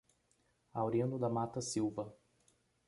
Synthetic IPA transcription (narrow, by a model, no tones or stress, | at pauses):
awɾiɐ̃nd̪ʊd̪ɐmat̪ɐsiwvɐ